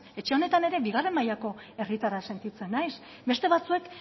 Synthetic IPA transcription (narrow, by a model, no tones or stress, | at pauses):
e̞t͡ʃe̞o̞ne̞t̪ane̞ɾe̞biɣare̞mːajako̞ | e̞rit̪aɾase̞nt̪it͡se̞nːajs | be̞st̪e̞βat͡sue̞k